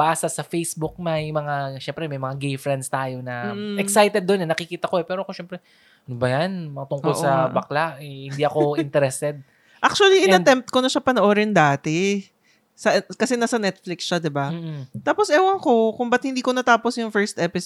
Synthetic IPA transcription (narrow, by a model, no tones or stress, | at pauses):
baːsɐsɐfejsbʊk̚mɐjmɐŋaʃɛmpɾɛmɐjmɐŋaɡejfɾɛnd̪st̪aːjo̞nɐɛksajt̪ɛd̪ːonɛnɐkɪkiːt̪ɐkoɛpɛːɾoɐkoʃɛmpɾɛ | ɐnobɐjanmɐat̪ʊŋkolʔsɐbɐklaʔɛhɪnd̪iʔɐkoɪnt̪ɛɾɛst̪ɛd̪̚ | ʔak̚t͡ʃuɐliʔɪɐɛmp̚t̪̚konɐʃɐpɐnoʔoɾɪnd̪aːt̪ɛ | sɐʔkɐsɛnasɐnɛt̪̚flɪksʃad̪ɪbam̩ːt̪aːpo̞sʔɛːwɐŋko̞kʊmbɐt̪̚hɪnd̪iːkonɐt̪aːposjʊŋfɛɹst̪ʔɛpɪs